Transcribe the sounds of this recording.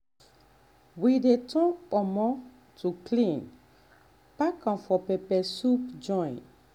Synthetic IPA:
widetʰɔ̃ŋpɔmɔ | tʰuklĩn | pakãfɔpɛpɛsupd͡ʒɔ̃j̃n

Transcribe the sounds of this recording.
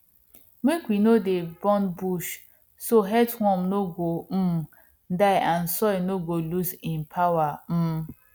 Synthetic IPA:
mekwinodebɔ̃nbuʃ | soɦɛthɔ̃mnoɡom̩ | daɪʔãnsɔjnoɡolusĩnpʰawam̩

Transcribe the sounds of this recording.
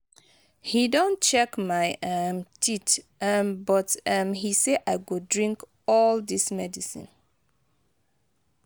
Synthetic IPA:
hidõnt͡ʃɛkmaɪʔʌmtʰitmbɔtʌmhiseʔaɪɡodɹĩŋk | ɔldismɛdisḭ̃n

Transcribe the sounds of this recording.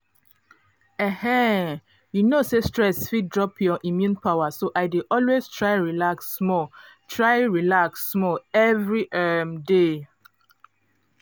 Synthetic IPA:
ɛhɛ̃ | junosestɹɛsfit̚dɹɔpʰjɔʔimjũnpʰawasoʔaɪdeʔɔlwestʰɹaɪɹilaksmɔ | tʰɹaɪɹilaksmɔɛvɹiʔɛmde

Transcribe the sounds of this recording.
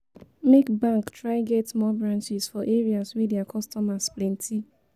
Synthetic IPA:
mekbãŋktɹaɪɡɛtmɔbɹãnt͡ʃɪz̥fɔʔeɹiaswediakʰɔstɔmasplɛ̃ntʰi

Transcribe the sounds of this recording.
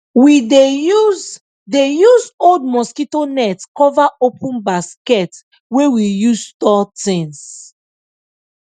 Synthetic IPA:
widejuz | dejuzold̚mɔskitonɛtkɔvaʔopʰũnbaskɛt | wewijuzstɔtĩns

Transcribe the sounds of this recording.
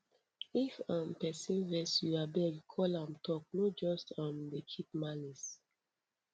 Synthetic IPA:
ifãnpɛsĩvɛsjuabɛɡkʰɔlãmtʰɔk̚nod͡ʒɔstãmdekʰit̚malis

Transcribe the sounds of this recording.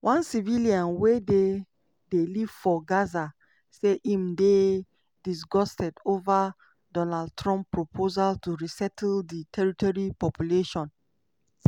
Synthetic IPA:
wʔãnsiviliãnwede | deliv̥fɔɡaza | seʔĩmde | dis̬ɡɔstɛdova | dɔnad̚tɹɔ̃mppːɹopʰozaltuɹisɛtʰlditʰɛɹitɔɹipɔpjuleʃɔ̃n

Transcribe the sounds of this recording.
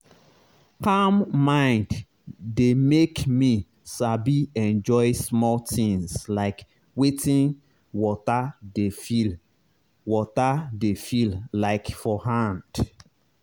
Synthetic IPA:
kamːãɪ̃nd | demekmi | sabiɛ̃nd͡ʒɔɪsmɔltĩŋslaɪk | wetĩn | wɔtadefil | wɔtadefillaɪkfɔɦãnd̥

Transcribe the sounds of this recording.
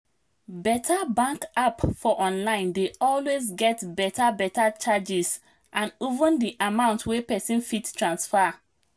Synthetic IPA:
bɛtʰabãŋkapfɔʔɔ̃nlãɪ̃ndeɔlwezɡɛtbɛtʰabɛtat͡ʃad͡ʒis | ʔãnuvə̃ndiʔamãʊ̃ntwepɛsĩnfitstɹãnsfa

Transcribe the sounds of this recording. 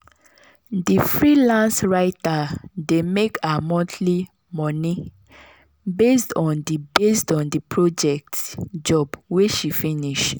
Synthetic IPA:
difɹilãnsɹaɪtademekamɔ̃tʰli | mɔ̃ni | bestɔ̃ndibestɔ̃ndipɹod͡ʒɛk̚td͡ʒɔbweʃifiniʃ

